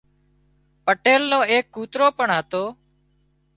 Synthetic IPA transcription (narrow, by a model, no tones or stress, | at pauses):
pəʈeːlnõːeːkːuːt̪ɾoːpəɳɦət̪oː